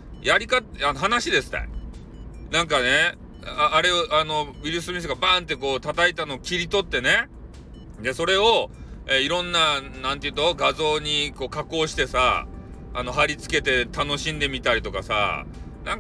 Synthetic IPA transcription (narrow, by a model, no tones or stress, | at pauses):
jaɾʲikat̪anoɦanaɕid̪e̞sɨ̥t̪a̰ | nãŋk̬ane̞ː | ɾe̞oʔano̞biɾɯ̟s̬ɨmʲis̬eɡabãːnt̪ːe̞ko̞ːt̪at̪ait̪anoːkʲiɾʲit̪o̞t̪ːe̞ne̞ | d̪e̞so̞ɾe̞oeiɾõ̞nːanãnt̪eiɯ̟t̪o̞ɡazo̞ːɲ̟iko̞ːkako̞ːɕi̥t̪e̞sa̰ː | no̞ɦaɾʲit͡sɨ̥ke̞t̪e̞t̪ano̞ɕĩnd̪e̞mʲit̪aɾʲit̪o̞kasa̰ | nãŋk